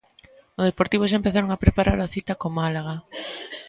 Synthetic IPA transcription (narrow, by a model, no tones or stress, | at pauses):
ozðepoɾt̪iβ̞ʊʃ̬aempeθaɾoŋapɾepaɾaɾaθit̪akomalaɣa